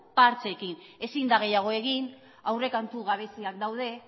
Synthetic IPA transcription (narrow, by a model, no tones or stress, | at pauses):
paɾt͡sekine̞sind̪aɣe̞jaɣ̞o̞e̞ɣ̞in | awre̞kant̪uɣ̞aβ̞e̞siak̚d̪awð̞e̞